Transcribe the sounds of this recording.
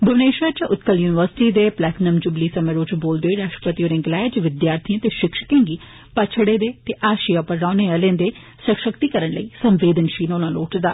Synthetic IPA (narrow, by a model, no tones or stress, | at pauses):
bəʋneːʃaːt͡ʃʊt̪kəljuːnɪʋəɾsɪ̥ʈiːd̪eːplɛːknəmd͡ʒʊbliːsəmẽːɾoːt͡ʃboːld̪eoiːɾaːʃʈəpət̪ioːɾɪ̃ŋɡlɛːd͡ʒʋɪd̪jaːɾt̪ʰiãːt̪eːʃɪkʃə̥kẽːŋɡiː | pat͡ʃʰəɽeːd̪eːt̪eːʔaːʃiaːpəɾɾaːneːəlẽːnd̪eː | səkʃəkt̪iːkəɾənləiːsə̃mʋeːd̪ənʃiːnoːnãːloːʈd̪a̰ː